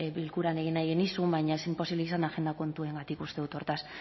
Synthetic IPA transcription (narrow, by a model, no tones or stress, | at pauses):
bilkuɾane̞ɣ̞inajɣenisumbajɲaesimpo̞siβleisand̪axe̞nd̪ako̞nt̪ue̞ŋɡat̪ikust̪e̞ðut̪o̞ɾt̪as